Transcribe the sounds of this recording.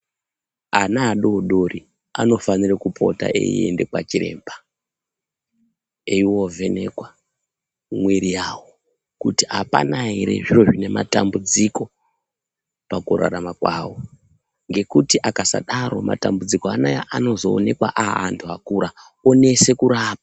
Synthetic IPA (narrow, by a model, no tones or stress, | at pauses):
anaːɗo̞ɗo̞ri | ano̞fanirakupʰo̞̰ta̰ʔḛḭe̞̰nde̞kwat͡ʃiɾe̞̰ːmba | eiwovʱe̞ne̞kwa | mwiɾijaːwo | kutiɦapa̰naɦeɾe̞̰ʐiroʐine̞matambud͡ziko̞ | pakuɾa̰ɾamakwa̰ːwo̞ | ŋɡe̞kutiʔakasaɗaɾo̞ma̰tambud͡zikoanajaʔano̞zo̞ːne̞kwaʔaːntʰuɦakuɾa | one̞se̞kuɾaːp̚a